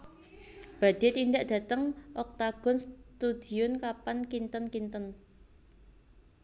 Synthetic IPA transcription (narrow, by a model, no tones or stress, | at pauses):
b̥a̤d̪̥e̤t̪ind̪aʔd̥a̤t̪əŋʔɔk̚t̪aɡ̥ɔ̤nst̪ud̪̥i̤ʊnkapankint̪ənkint̪ən